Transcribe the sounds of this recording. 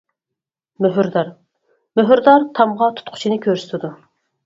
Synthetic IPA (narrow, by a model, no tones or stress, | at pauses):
møɦyɾd̪ɑɾ | møɦyɾd̪ɑɾt̪ʰɑmʁɑt̪ʰu̥t̪̚qʰʊ̥t͡ʃʰinɨkʲʰøɾsɪ̥t̪ʰɪd̪u